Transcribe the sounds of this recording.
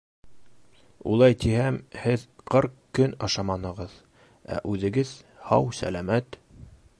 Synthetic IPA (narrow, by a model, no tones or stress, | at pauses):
ṵlˠɑjt̪ihæmhɘðqɤɾqkːɵnɑʃɑmɑnɤ̆ʁɤð | æ̰ʔʉðɘ̆ɡɘðhɑwsæ̰læmæt̪